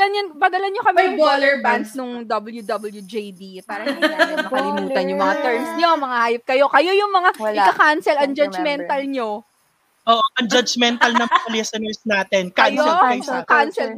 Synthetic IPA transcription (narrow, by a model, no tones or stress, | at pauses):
lɐnjɐnbɐd̪ɐlɐnɲokɐmɐjbod̪ɛɹbansnʊŋd̪ɐbɐljud̪ɐbɐljud͡ʒejd̪ipaːɾɐɐɐlɪmuːt̪ɐnjʊŋmɐŋat̪ɛɹmsɲomɐŋahaːjot̪̚kɐjo̞kɐjo̞jʊŋmɐŋaʔɪkɐkansɛlɐnd͡ʒɐd͡ʒmɛnt̪ɐlɲo | ʔoːʔoʔɐŋd͡ʒɐd͡ʒmɛnt̪ɐlnɐŋpɐlɛsɐnɛɹsnaːt̪ɛnkaɐjoɛkansɛl